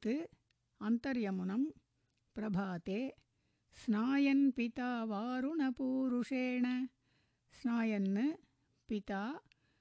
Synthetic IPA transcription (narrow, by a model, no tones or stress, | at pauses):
t̪ɨ | ɐnt̪ɐɾjɐmunɐm | pɾɐbʱaːt̪eː | snaːjɐnpit̪aːʋaːɾunɐpuːɾuʂeːɳɐ | snaːjɐnːɨ | pit̪aː